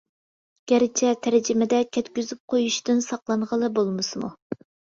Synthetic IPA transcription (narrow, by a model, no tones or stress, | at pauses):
ɡ̥ʲɛɾɪt͡ʃʰɛt̪ʰæɾd͡ʒɪmɪd̪ɛkʲʰɛt̪kʲyzyp̚qʰojuʃt̪ɨnsɑqlˠɑɴʁəlˠɨbolˠmɨsɨmṵ